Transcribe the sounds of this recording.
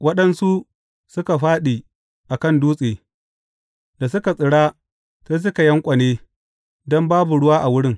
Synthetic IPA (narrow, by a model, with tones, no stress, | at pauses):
wɐ˦ɗɐ˦nsu˦ | sʊ˦ka˨ɸaː˦ɗiː˨ | ʔa˨kɐ˦nduː˦sʼeː˨ | da˨sʊ˦ka˨sʼɪ˨ɽaː˦ | seː˦s̬ʊ˦ka˨jɐ˦ŋkʷʼɐ˨neː˦ | dɔ˦mbaː˦bu˨ɽʊ˦waː˦ʔa˨wʊ˦ɽɪ˦ŋ